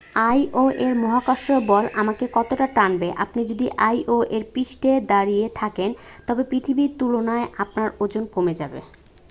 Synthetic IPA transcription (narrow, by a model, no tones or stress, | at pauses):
ajʔoʔeɾmɔɦakaʃɾobɔlamakekɔt̪oʈaʈanbeʔapnid͡ʑod̪iʔajʔoʔeɾpɾiʃʈed̪aɾiet̪ʰakent̪ɔbepɾit̪ʰibiɾt̪ulonaeʔapnaɾod͡ʑonkomed͡ʑabḛ